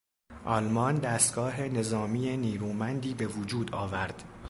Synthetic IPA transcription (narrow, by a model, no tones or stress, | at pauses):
ʔɒlmɒnd̪æːst̪̚ɡ̥ɒːɦe̞ne̞zɒːmiːjeniːɾuːmænd̪iːbe̞vod͡ʒuːd̪ɒːvæɾd̪̥